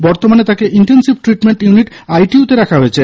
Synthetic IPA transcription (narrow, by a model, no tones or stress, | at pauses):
bɔɾt̪omanet̪akeʔiɳʈensibʈɾiʈmeɳʈjuniʈajʈiut̪eɾakʰaɦojet͡ɕʰe